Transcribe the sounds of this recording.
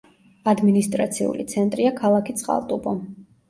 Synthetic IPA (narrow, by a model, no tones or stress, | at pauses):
ad̪minist̪ʼɾat̪sʰḭṵlḭt̪sʰɛnt̪ʼɾiakʰalˠakʰit̪sʼqʼa̰lˠt̪ʼubɔ